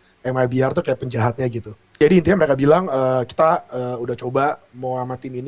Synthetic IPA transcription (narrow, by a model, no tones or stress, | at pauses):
jaŋmabiart̪̬ukajaʔpəɲd͡ʒaɦat̪̚ɲaɡit̪u | d͡ʒadiint̪iɲamɾekabilaŋəki̥t̪aəːudaht͡ʃoba | mawamat̪ɪnin